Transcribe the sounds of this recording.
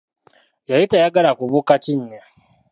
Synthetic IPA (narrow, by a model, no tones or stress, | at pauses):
jajitajaɡalakuβukaciɲːa